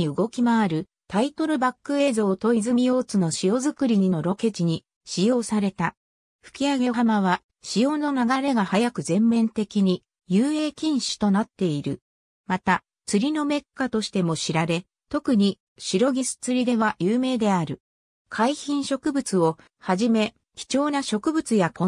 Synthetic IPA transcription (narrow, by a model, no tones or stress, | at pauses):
iɯ̟ɡo̞kʲimaːɾɯ̟ | t̪ait̪o̞ɾɯ̟bakːɯ̟e̞ːzo̞ːt̪o̞izɨmʲijo̞ːt͡sɨno̞ɕijo̞zɨkɯ̟ɾʲiɲ̟ino̞ɾo̞ke̞t͡ɕiɲ̟i | ɕijo̞ːsaɾe̞t̪a | ɸɯ̥kʲiaɡe̞ɦamaβ̞a | ɕijo̞ːno̞naɡaɾe̞ɡahajakɯ̟zẽ̞mːẽ̞nt̪e̞kʲiɲ̟i | jɯːe̞ːkʲĩɰ̃ɕi̥t̪o̞nat̪ːe̞iɾɯ̟ | mat̪a | t͡sɨɾʲino̞me̞kːat̪o̞ɕi̥t̪e̞mo̞ɕiɾaɾe̞ | t̪o̞kɯ̟ɲ̟i | ɕiɾo̞ɡʲisɨ̥t͡sɨɾʲid̪e̞β̞ajɯːme̞ːd̪e̞aɾɯ̟ | kʰaiçĩɰ̃ɕo̞kɯ̟bɯ̟t͡sɨo̞ | haʑime̞ | kʲi̥t͡ɕo̞ːnaɕo̞kɯ̟bɯ̟t͡sɨjakõ